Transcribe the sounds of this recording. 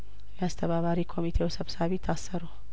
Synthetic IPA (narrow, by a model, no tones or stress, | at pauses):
jɛast̪ʰəβaβaɾikʰo̞mit̪ʰewsəβsaβit̪ʰːasːəɾu